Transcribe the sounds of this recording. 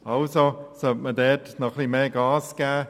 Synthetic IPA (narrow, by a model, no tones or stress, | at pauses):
ɑlsosœtmədɛtnɔχlimeːɡɑːsɡ̥æː